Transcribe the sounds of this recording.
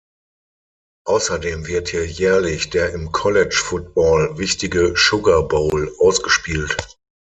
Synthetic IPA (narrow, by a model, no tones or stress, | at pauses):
ʔaʊsɐdeːmvɪɐthiːɐjɛːɐlɪçd̥eːɐʔɪmkʰɔlɛt͡ʃfʊt̚b̥ɔːlvɪçtɪɡəʃʊɡɐboːlʔaʊsɡ̥əʃpiːlt